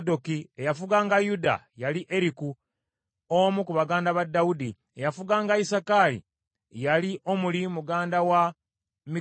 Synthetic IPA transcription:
do̞kie̞jafuɡaːŋɡajuda̰ | jaliʔe̞ɾiku | omukuβaɡaːndaβadːawudi | e̞jafuɡaːŋɡaisakalḭ | jaliʔo̞mulimuɡaːndawa | mi

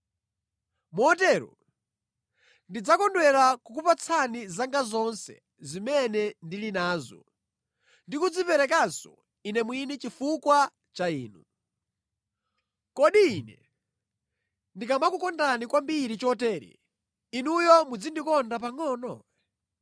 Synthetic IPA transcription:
mɔtɛɾṵ | ndid͡zakɔndwɛɾakukupat͡sʰanizaŋɡazɔnsɛ̰ | zimɛnɛndilinaːzɔ̰ | ndikud͡zipɛɾɛkansɔ̰ | inɛmwinɛt͡ʃifukwa | t͡ʃaiːnu | kɔɗiːnɛ̰ | ndikamakukɔndanikwambiɾit͡ʃɔtɛːɾḭ | inujɔmud͡zindikɔndapaŋɔːnɔ

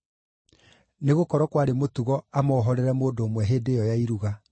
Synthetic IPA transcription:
neɣokɔɾɔkwaɾemotuɣɔamɔːɦɔɾɛɾɛmoːdoːmwɛɦeːdejɔjaiɾuɣa

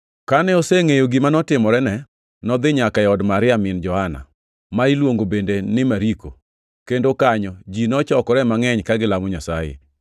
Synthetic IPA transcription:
kanɛoseŋejoɡɪmanɔtɪmɔɾɛnɛ | nɔd̪ɪɲakaɛɔdmaɾɪamɪnd͡ʒɔhana̰ | mailwoŋɡobendenɪmaɾiko̰ | kendokaɲɔd͡ʒinɔt͡ʃɔkɔɾɛmaŋɛɲkaɡɪlamɔɲasajḛ

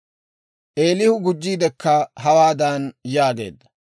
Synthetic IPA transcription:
ʔe̞ːlɪhʊɡʊd͡ʒːiːd̪ɛkːɐɦɐwaːd̪ɐnjaːɡe̞̰ːd̪ːɐ

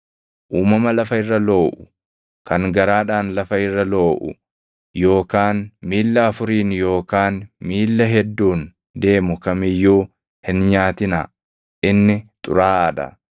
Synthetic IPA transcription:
ʔuːmɐmɐlɐfɐɪrːɐlo̞ːʔʊ̥ | kɐŋɡɐɾaːᶑaːnlɐfɐɪrːɐlo̞ːʔʊ̰ | jo̞ːkaːnmiːlːɐɐfʊɾiːnjo̞ːkaːnmiːlːɐɦɛd̪ːuːn | d̪e̞ːmʊkɐmɪjːuː | hɪnɲaːt̪ɪnɐ | ʔɪnːɪt̪ʼʊ̰ɾaːɐᶑ̪ɐ̰

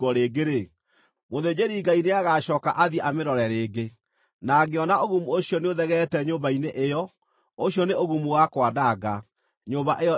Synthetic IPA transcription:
ɔɾeɡeɾe | moðed͡ʑeɾiɡaineaɣaʃɔːka̰ʔaðiɛʔameɾɔɾɛɾeːɡe | naɡeɔnaoɣumuoɕiɔneoðɛɣɛtɛɲoːmbaineʔejɔ | oɕjɔneoɣumuwakwadaɡa | ɲobaʔeɔ

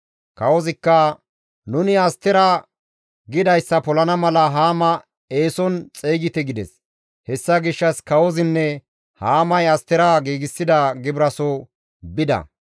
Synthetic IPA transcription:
kɐwɔzɪkːɐ | nʊnɪɐst̪ːɛɾɐ | ɡɪd̪ɐjsːɐpɔlɐnɐmɐlɐɦaːmɐ | e̞ːsɔnt͡sʼeːɡɪt̪ɛɡɪd̪ɛs | hɛsːɐɡɪʃːɐskɐwɔzɪnːɛ | haːmɐjɐst̪ːɛɾɐɡiːɡɪsːɪd̪ɐɡɪbɾɐsɔ | bɪd̪ɐ̰

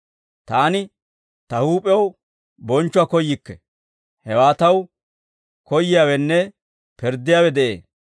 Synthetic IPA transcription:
t̪aːnɪ | t̪ɐhuːpʼɛw | bɔnt͡ʃːʊaːkɔjːɪkːɛ | hɛwaːt̪ɐw | kɔjːɪjaːwɛnːɛ | pɛɾd̪ːɪjaːwɛd̪ɛʔḛː

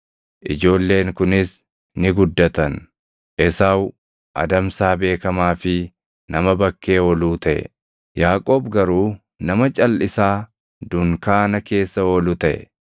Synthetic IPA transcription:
ʔɪd͡ʒo̞ːlːe̞ːŋkʊnɪs | nɪɡʊd̪ːɐt̪ɐn | ʔɛsaːw | ʔɐ̰d̪ɐmsaːbe̞ːkɐmaːfɪ | nɐmɐbɐkːe̞ːɔːluːt̪ɐʔɛ̰ | jaːkʼo̞ːbɡɐɾuː | nɐmɐt͡ʃʼɐlːʔɪsaː | d̪ʊŋkaːnɐke̞ːsːɐoːlʊt̪ɐʔɛ̰

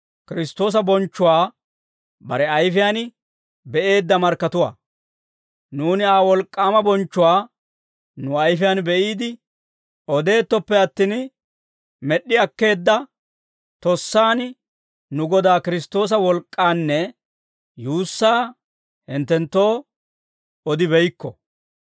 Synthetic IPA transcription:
kɪɾɪst̪ːo̞ːs̬ɐbɔnt͡ʃːʊwaː | bɐ̰ɾɛɐjfɪjaːn | bɛʔe̞ːd̪ːɐmɐɾkːɐt̪ʊwa̰ː | nuːnɪaːwɔlkʼːaːmɐbɔnt͡ʃːʊwaː | nʊɐjfɪjaːnbɛʔiːd̪ɪ | ɔd̪e̞ːt̪ːɔpːɛɐt̪ːin | mɛɗːɪɐkːe̞ːd̪ːɐ | t̪ɔsːaːn | nʊɡɔd̪aːkɪɾɪst̪o̞ːs̬ɐwɔlkʼːaːnːɛ | juːsːaː | hɪnt̪ːɛnt̪ːo̞ː | ɔd̪ɪbɛjkːɔ̰

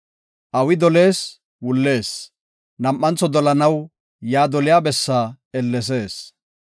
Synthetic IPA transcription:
ʔɐwɪd̪ɔle̞ːs | wʊlːe̞ːs | nɐmʔːɐnt͡sːɔd̪ɔlɐnɐw | jaːd̪ɔlɪjaːbɛsːaː | ɛlːɛs̬e̞ːs

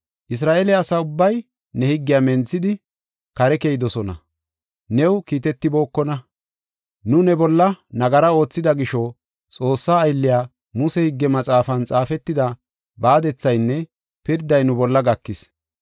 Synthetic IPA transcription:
ʔɪs̬ɾaːʔeːlɪɐsaʊbːɐj | nɛhɪɡːɪjaːmɛnt͡sːɪd̪ɪ | kɐɾɛkeːjɪd̪ɔsɔnɐ̰ | nɛwkiːt̪ɛt̪ːɪbo̞ːkːɔnɐ | nʊnɛbɔlːɐnɐɡɐɾɐo̞ːt͡sːɪd̪ɐɡɪʃɔ | t͡sʼo̞ːsːaːjlːɪjaː | mʊsɛhɪɡːɛmɐt͡sʼaːfɐnt͡sʼaːfɛt̪ːɪd̪ɐ | baːd̪ɛt͡sːɐjnːɛ | pɪɾd̪ːɐjnʊbɔlːɐɡɐkːɪs

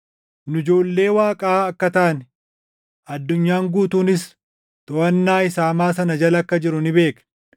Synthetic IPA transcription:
nʊɪd͡ʒo̞ːlːe̞ːwaːkʼaɐkːɐt̪ɐʔɐn | ɐd̪ːʊɲːaːŋɡuːt̪uːnɪs | t̪ʼɔɐnːaːɪsaːmaːsɐnɐd͡ʒɐlɐkːɐd͡ʒɪɾʊnɪbe̞ːkɐ̥

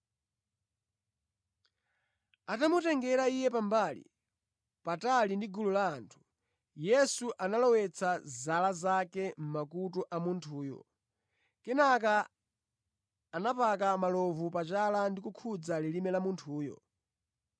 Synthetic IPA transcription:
atamutɛŋɡɛɾaijɛpambalḭ | patalindiɡululaːntʰu̥ | jɛsuʔanalɔwɛt͡sʰazalazakɛm̩makutɔʔamuntʰuːjɔ̰ | kɛnak̬a | napakamalɔvupat͡ʃalandikukʰud͡zalilimɛlamuntʰuːjɔ̰

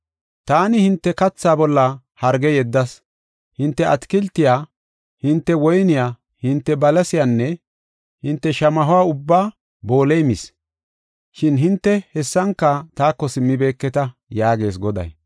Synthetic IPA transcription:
t̪aːnɪhɪnt̪ːɛkɐt͡sːaːbɔlːɐ | hɐɾɡɛjɛd̪ːɐs | hɪnt̪ːɛʔɐt̪kɪlt̪ːɪjaː | hɪnt̪ːɛwɔjnɪjaː | hɪnt̪ːɛbɐlɐsɪjanːɛ | hɪnt̪ːɛʃɐmɐɦʊwaːʊbːaː | bo̞ːlejmɪs | ʃɪnɦɪnt̪ːɛhɛsːɐŋkːɐt̪aːkːɔsɪmːɪbe̞ːkːɛt̪ɐjaːɡe̞ːs̬ɡɔd̪ɐ̰j

